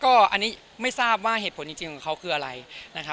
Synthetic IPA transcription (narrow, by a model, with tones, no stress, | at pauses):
kɔː˥˩ʔa˧nːiː˦˥ | ma˥˩jsaː˥˩p̚waː˥˩e˨˩t̪pʰo˩˦nt͡ɕi˧ŋt͡ɕi˧ŋ˩kʰa˦˥wkʰɯː˧ʔa˧ɾa˧jna˦˥kʰa˦˥